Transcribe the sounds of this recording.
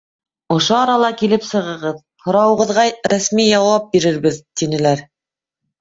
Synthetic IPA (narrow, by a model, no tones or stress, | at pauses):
ŏʃoɑɾɑlˠɑkilɘpsɤ̆ʁɤ̆ʁɤð | hŏɾɑwɤ̆ʁɤ̆ðʁɑɾæsmijɑwɑp̚biɾɘ̆ɾβɘðt̪inɘ̆læɾ